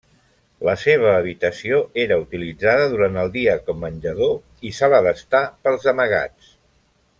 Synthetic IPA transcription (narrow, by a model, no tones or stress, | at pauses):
ləseβ̞əːβit̪əsioeɾəut̪ilid͡zaðəðuɾant̪əlˠd̪iəkɔmːənʲʒəðo | isaβəðəst̪apəlˠzəməɣ̞a̰t͡s